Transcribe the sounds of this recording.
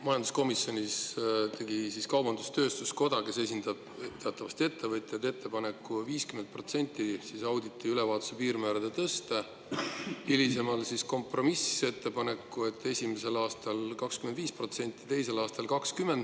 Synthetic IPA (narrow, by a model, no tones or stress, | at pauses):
mɑjɑnd̪u̥sko̞misjo̞nʲist̪e̞ɡisiskɑwbɑnd̪ust̪ø̞ːst̪usko̞d̪̥ɑke̞se̞sʲind̪̥ɑb̥̚t̪e̞ɑt̪ːˑɑvɑsʲt̪ʲe̞t̪ʰːe̞vɤt̪ʲːˑet̪ːe̞t̪ʰːe̞pɑnekːuviːskyment̪̚pro̞t̪se̞nʲt̪ːˑisisɑwd̪it̪ːˑiylevɑːt̪ːˑu̥sepiːɾmæːɾɑd̪̥e̞t̪ɤst̪e | ilise̞mɑlsisko̞mpro̞misi̥seet̪ːe̞pɑne̞kːue̞t̪ːˑe̞sʲimese̞lɑːst̪ɑlkɑkskymend̪viːspro̞t̪se̞nʲt̪ˑːi̥t̪e̞jse̞lɑːst̪ɑlkɑkskyme̞nd̪